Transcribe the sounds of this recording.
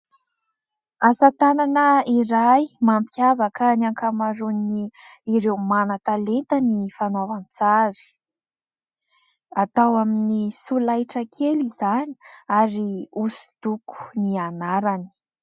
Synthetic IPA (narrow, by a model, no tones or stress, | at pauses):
asat̪ananəiɾajmampʰjavakanaŋkamaɾuniiɾewmanat̪alent̪ənifanavant͡saɾi̥ | at̪awaminisulajʈ͡ʂəkʰelizani̥aɾiusi̥d̪uku̥nianaɾani̥